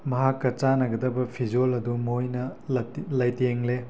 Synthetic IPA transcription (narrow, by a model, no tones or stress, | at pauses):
mɐɦakːɐt͡ʃanɐɡɐdɐbɐpʰid͡ʒolɐdumojnɐ | lajteŋle